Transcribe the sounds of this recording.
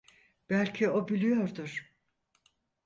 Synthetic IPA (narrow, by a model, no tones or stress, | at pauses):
b̥ælʲcʰio̞bilʲijoɾd̪ʊɾ̥